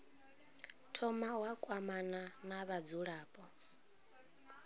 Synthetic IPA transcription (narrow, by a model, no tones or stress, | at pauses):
tʰɔmawakʼwamananaβad͡zuɺaːpʼɔ